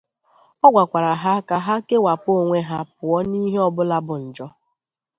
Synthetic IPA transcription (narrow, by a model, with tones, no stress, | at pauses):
ɔ˦ɡʷa˨kʷa˨ɾa˨ɦa˦ka˦ɦa˦ke˦wa˨po˦˨ŋʷe˦ɦa˦pʊ˨ɔ˦ni˦ɦe˦ɔ˦bʊ˦la˦bʊ˨n̩˨d͡ʒɔ˦